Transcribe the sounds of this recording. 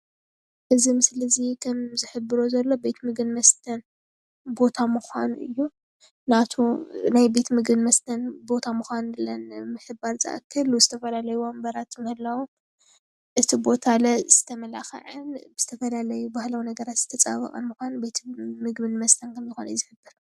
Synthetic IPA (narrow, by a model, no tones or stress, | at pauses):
ʔɨzimɨslɐzikʰɐmzɨħɨbɨɾo̞zɐlːo̞be̞t̪mɨɡɨnmɐst̪ʰɐn | bo̞t̪ʰamɨxʷanuʔɨjːu | nat̪ʰunajbe̞t̪mɨɡbɨnmɐst̪ʰɐnbo̞t̪ʰamɨxʷanlɐnmɨħɨbaɾzɨ̰ʔa̰kʰːɐluzɨt̪ʰɐfɐlalɐjuwombɐɾat̪mɐhɨlːawom | ʔɨt̪ʰibo̞t̪ʰalɐz̥ɨ̥t̪ʰɐmɐla̰xɐ̰ʕɨnbɨz̥ɨt̪ʰɐfɐlalɐjubahlawnɐɡɐɾat̪z̥ɨt̪ʰɐt͡sʼa̰βɐ̰kʼɐ̰nmɨxʷanube̞t̪ʰmɨɡbɨnmɐst̪ʰɐnkʰɐmzɨxo̰n̰jzɨħɨbːɨɾ